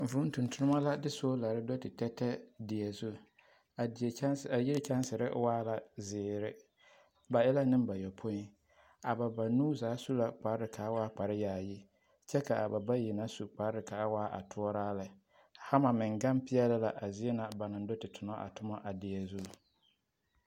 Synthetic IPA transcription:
vʊ˦n˦tʊ̃˨ntʊ˦ɾʊ˦ma˦la˦dɪ˦so˦la˨ɾɪ˦dɔ˦tɪ˨tɛ˦tɛ˦dɪ˨ɛ˨zu˦˨ | a˨˦sa˨ji˦ɾɪ˦t͡ʃa˦nsɪ˨ɾɪ̰˦waː˦la˨zɪː˨ɾɪ˦ | ba˨ɪ˦la˦nɪ̃˦mba˨jɔ˨pʰo˦i˦ | a˨ba˨ba˨nuː˦zaː˨˦su˦la˨k͡pa˨ɾɪ˦ɾɪ˨kʰa˨a˦waː˦k͡pa˨ɾɪ˦jaː˨ji˦ | t͡ʃɛ˦ka˨ʔa˨ba˨ba˦ji˨na˦su˨k͡pa˨ɾɪ˨ka˨a˦waː˦ʔa̰˨tʰʊ˦ɔ˦ɾaː˦lɪ˨ | ha˦ma˨mɪ˨ŋɡa˦mpɪ˦ɛ˦lɪ˦la˨ʔa˨zi˦ɛ˦na˨ba˨nɪ̃˨n˦dɔ˦tɪ˨tʰʊ˨nɔ˦ʔa̰˨tʊ˦mɔ˦ʔa˨dɪ˨ɛ˨zu˦˨

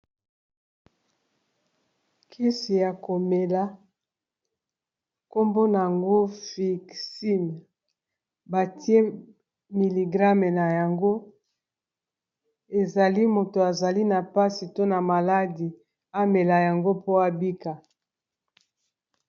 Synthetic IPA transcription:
kʰi˦si˨ja˨ko˨me˨la˨ | ko˦mbo˦na˨a˨ŋɡo˦fi˨ksi˦m˨ | ba˨ti˦e˦ | mi˨li˨ɡʁa˦me˨na˨ja˨ŋɡo˦ | e˨za˨li˦mo˨to˨a˨za˨li˦na˨pa˦si˨to˦na˨ma˨la˦di˨ | a˦me˨la˨ja˨ŋɡo˦po˦a˦bi˦ka˨

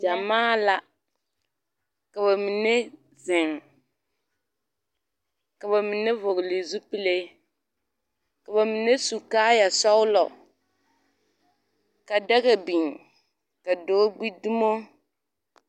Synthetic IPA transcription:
d͡ʒa˨maː˦la˦ | ka˨βa˨mi˨ne˦ | zɪ˨ŋ | ka˨ba˨mi˨ne˦vʊ˨ɡli˨zu˦pi˦le˦ | ka˨ba˨mi˨ne˦su˨kaː˦ja˨sɔ˦wʊ˦lɔ˨ | ka˨da˦ɣɛ˨bi˨ŋ | ka˨doː˦ɡ͡bi˦di˦mo˦

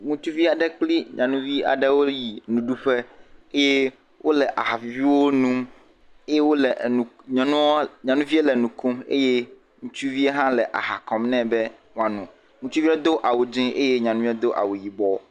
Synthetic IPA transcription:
ŋũ˦t͡ʃu˦vi˦a˨ɖɛ˦k͡pli˦ɲã̰˨nũ˦vi˦a̰˨ɖɛ˦wo˦ji˨nũ˨ɖu˦ɸe˦e˦je˦ | wʔo˦lɛ˨ʔa˨ɦa˨vi˦wo˦nũ˦m | e˦je˦wo˦lɛ˨ũ˨ɲɔ̃˨nũ˦ɲã˨nũ˦vi˦e˦lɛ˨nũ˨kũ˦mḛ˦je˦ | ŋũ˦t͡ʃu˦vi˦e˦ɦã˦lɛ˨ʔa̰˨ɦa˨kɔ˨mnɛ̃˦bɛ˦ | ŋ̃˦ã˨nũ˨ | ŋũ˦t͡ʃu˦vi˦ɛ˦d̪o˦ʔa˨wo˨d͡ʒĩ˦ʔe˦je˦ɲã˨nũ˦vĩ˦d̪o˦ʔa̰˨wo˨ji˨bɔ˦

